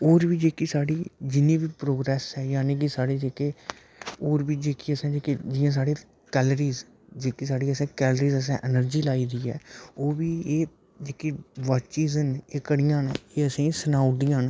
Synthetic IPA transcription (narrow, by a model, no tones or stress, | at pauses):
oːɾʋiːd͡ʒeːkiːsaːɽiːd͡ʒɪnĩːʋiːpɾoːɡɾɛːsɛːjaːneːkɪsaːɽeːd͡ʒeːkeː | oːɾʋiːd͡ʒeːkiːəsãːd͡ʒeːked͡ʒɪãːs̬aːɽeː | kɛːləɾiːz | d͡ʒeːkisaːɽiːəsẽːkɛːləɾiːzəs̬ãːʔɛnəɾd͡ʒiːlaːiːd̪iːɛ̰ːoːʋiːeː | d͡ʒeːkiːʋat͡ʃiːzəneːkəɽɪjãːnːeːəsĩːsənaːʊd̪ijãːn